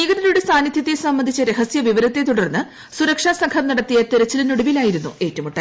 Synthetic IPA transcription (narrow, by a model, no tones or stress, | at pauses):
iːɣɐðɐɾuɽesaːnid̪ʱjɐt̪ːesɐmbːɐnd̪ʱit͡ɕːɐɾeɦɐsjɐʋiʋɐɾɐt̪ːe̞t̪uɽɐrnːɨ | suɾɐkʂaːsɐŋkʰɐmnɐɽɐt̪ːijɐt̪eɾɐt͡ɕːilinuɽɐʋilaːjiɾunːue̞ːtːɐmuʈːɐ